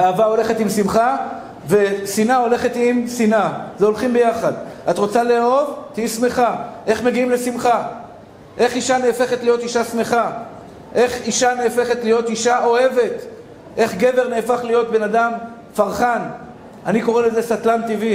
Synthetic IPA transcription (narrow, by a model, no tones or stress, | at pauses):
aːvaole̞χetimsimχa | ve̞sinao̞le̞χet̪imsinazeo̞lχimbe̞jaχad̪atʁo̞t͡saleo̞vt̪iisme̞χaʔe̞χmeɡiimle̞simχa | ʔe̞χiʃaneːfe̞χetlijo̞t̪iʃasme̞χa | ʔe̞χiʃane̞ːfe̞χe̞tlijo̞t̪iʃaʔo̞he̞ve̞t | ʔe̞χɡe̞ve̞ʁne̞ːfaχlijo̞t̪̚be̞nadam | faʁχan | aniko̞ʁeleze̞sat̪lant̪ivi